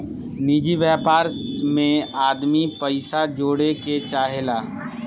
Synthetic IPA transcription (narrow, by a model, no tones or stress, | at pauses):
nid͡ʒiʋjaːpaːɾsmẽaːd̪mipəɪsad͡ʒoːɽeket͡ʃaːɦelaː